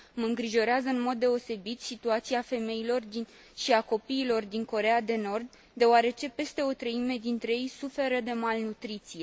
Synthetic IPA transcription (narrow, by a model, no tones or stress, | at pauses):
məɨŋɡɾiʒo̞ɾeazəɨnmo̞d̪ːe̞o̞se̞bit̪sit̪uat̪siafe̞me̞ilo̞rd̪in | ʃiako̞piːlo̞rd̪iŋko̞ɾe̞ad̪e̞no̞rd̪ | d̪e̞oaɾe̞t͡ʃe̞pe̞st̪e̞o̞t̪ɾəime̞d̪int̪ɾe̞je̞jsufe̞ɾəd̪e̞malnut̪ɾit̪sije